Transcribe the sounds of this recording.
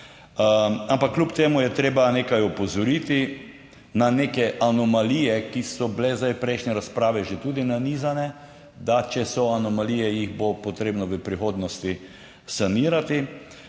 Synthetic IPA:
ampakːlʲupt̪eːmujɛt̪ɾeːbaneːkajɔpɔzɔɾit̪i | naneːkɛʔanɔmaliːjɛkisɔblɛzd̪ajpɾɛɪʃnjɛɾaspɾaːʋɛʒet̪uːd̪inanizanɛ | d̪at͡ʃɛsɔanɔmalijɛjiɣbopɔt̪ɾeːbnɔʋəpɾixoːd̪nɔst̪i | saniːɾat̪i

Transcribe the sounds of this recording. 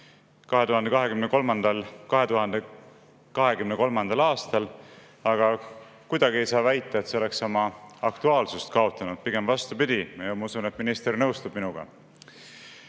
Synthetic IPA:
kɑɦe̞t̪uhɑnd̪e̞kɑɦe̞kymneko̞lmɑnd̪̥ɑlkɑɦe̞t̪uɦɑnd̪e | kɑɦe̞kymneko̞lmɑnd̪̥ɑlɑːst̪ɑl | ɑɡ̥ɑ | kujd̪̥ɑɡ̥ie̞jsɑːvæjt̪ːˑɑet̪se̞ole̞ksomɑɑkt̪uɑːlsust̪kɑo̞t̪ːˑɑnud̪̥̚piɡ̥e̞mvɑst̪upid̪̥ʲimɑomusune̞t̪minist̪ernɤwst̪ub̥minuɡ̥ɑ̰

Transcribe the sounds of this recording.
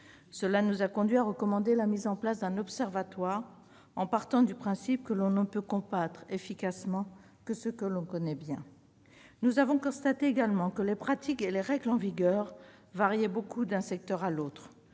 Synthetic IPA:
səlanuzakɔ̃d̪ɥiaʁəkɔmɑ̃d̪elamizɑ̃plasd̪ɛ̃nɔpsɛʁvat̪waːʁ | ɑ̃paʁt̪ɑ̃d̪ypχɛ̃sip̚kəlɔ̃nəpøkɔ̃bat̪χefikasmɑ̃ | kəsəkəlɔ̃kɔnɛbjɛ̃ | nuzavɔ̃kɔ̃st̪at̪eeɡalmɑ̃kəlepχat̪ikeleʁɛɡlɑ̃viɡœʁ | vaʁjɛbokʰud̪ɛ̃sɛk̚t̪œʁalot̪χ

